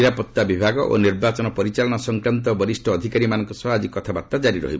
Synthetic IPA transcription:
iɾapɔt̪ːabibʱaɡɔʔo̰niɾbat͡ʃɔnɔpɔɾit͡ʃalɔnɔsɔŋkɾant̪ɔbɔɾisʈʰɔːd̪ʱikaɾimanɔŋkɔsɔɦad͡ʒikɔt̪ʰabat̪ːad͡ʒaɾiɾɔ̰ɦibɔ

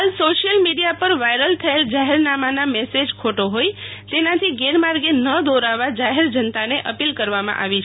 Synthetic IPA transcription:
alsoʃijəlmiɽijapəɾʋajɾəlt̪ʰəeld͡ʒaɦeɾnamanamɛsed͡ʒkʰoʈoɦojt̪enãt̪ʰiɡeɾmaɾɡenəd̪oɾaʋad͡ʒaɦeɾd͡ʒənt̪aneʔəpilkəɾʋamã̰ʔa̰ʋit͡ʃʰ

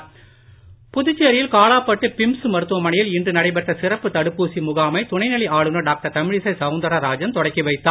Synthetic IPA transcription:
pʊðʊt͡ʃːɪjɐɾɪjɪlkaːɭaːpːɐʈːɯpɪmsɯmɐɾɯt̪ːɯʋɐmɐɳɐjɪlɪndrɯnɐɽɐɪp̬ɐʈrɐsɪrɐpːɯt̪ɐɽɯpːuːsimʊɣaːmɐɪt̪ʊnɐɪnɐliaːɭɯnɐɖaːk̚ʈɐɾt̪ɐmɪɻɪsɐɪsɐʊnd̪ɐɾaɾaːd͡ʒɐnt̪ɔɽɐɪkːiʋɐɪt̪ːaː

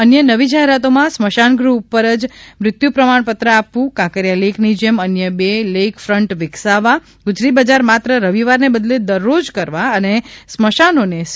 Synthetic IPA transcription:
ənjənəʋid͡ʒaɦeɾat̪omãsməʃanɡɾuːpːəɾəd͡ʒmɾɪt̪jupɾəmaɳpət̪ɾəapʋũkãkəɾjaleknid͡ʒemənjəbelekfɾəɳʈʋɪksaʋa | ɡʊd͡ʒɾibəd͡ʒaɾmat̪ɾəɾəʋiʋaɾnebəd̪led̪əɾːod͡ʒkəɾʋaənesməʃanones

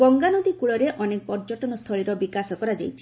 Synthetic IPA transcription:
ɡɔŋɡanɔd̪ikuɭɔɾeʔɔnek̚pɔɾd͡ʒɔʈɔnɔst̪ʰɔɭiɾɔbikasɔkɔɾad͡ʒa̰jt͡ʃʰi̥

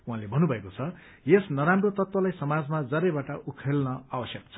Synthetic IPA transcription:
wɦãlebʱʌnːubʱʌekot͡sʰʌ | jesnʌɾamrot̪ʌt̪wʌlajsʌmad͡zmad͡zʌɾebaʈʌʔukʰelnʌabʌsjʌk̚t͡sʰʌ

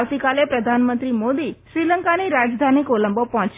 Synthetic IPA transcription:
ʋt̪ikalepɾəd̪ʱanmənt̪ɾimod̪iʃɾiləŋkaniɾad͡ʒd̪ʱanikoləmbopɔɦɔ̃t͡ʃ

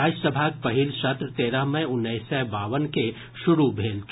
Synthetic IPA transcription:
aːd͡ʒsəbʱaːk̚pɐɦɪlʃət̪ɾət̪eːɾəɦmɛ̃ʊnːɛɪsɛbaːʋənke | ʃʊɾubʱeːlt̪ʰ

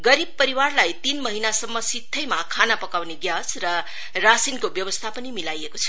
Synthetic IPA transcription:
ɡʌɾib̚pʌɾiwarlajt̪inmʌɦinasʌmːʌsit̪ʰːʌjmakʰanapʌkawneɡjasrʌ | rasinkobjʌwʌst̪ʰapʌnimilajekot͡sʰʌ̥

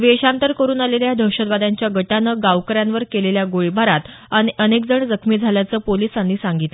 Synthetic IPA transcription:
ʋeɕant̪əɾkəɾuːnaleljad̪ʱəwɕəd̪ʋad̪aɲt͡ɕjaɡəʈanəɡaʋkəɾjanʋəɾkeleljaɡoɭibʱaɾat̪ | ənənekd͡zəɳd͡zəkʰmiːd͡zʱaljat͡səːpoliːsanːiːsãŋɡit̪l

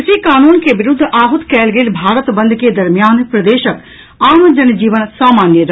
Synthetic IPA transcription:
ɪsikaːnuːnkeʋɪɾʊd̪ʱːʔaːɦʊt̪kɛːlɡeːlbʱaːɾət̪bə̃nd̪ʱked̪ɐɾmɪjaːnpɾəd̪eːʃək | aːmd͡ʒənd͡ʒiːʋənsaːmaːnjəɾ

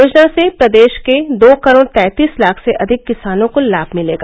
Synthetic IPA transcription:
oːd͡ʒnasepɾɐd̪eːʃked̪oːkɐɾoːɽt̪ɛ̃ːt̪iːslaːkʰseʔɐd̪ʱɪkːɪsaːnõkolaːbʱmɪlḛːɡaː

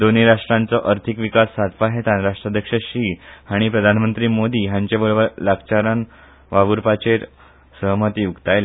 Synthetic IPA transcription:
d̪oniɾaʂʈɾãnt͡sɔʔəɾt̪ʰikʋikasːat̪paɦet̪ãnɾaʂʈɾad̪ʱjəkʂəɕiːhaɽ̃ipɾəd̪ʱanmənt̪ɾiːmod̪iːɦãɲt͡ɕebəɭbəɾlakt͡ɕaɾan | ʋaʋuɾpat͡ɕeɾ | səɦmət̪ijuɡt̪ajl

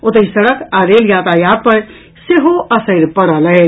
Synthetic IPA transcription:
ot̪əisəɽəkaɾeljat̪ajad̪̚pəɾ | seɦoʔəsəɾpəɽələ

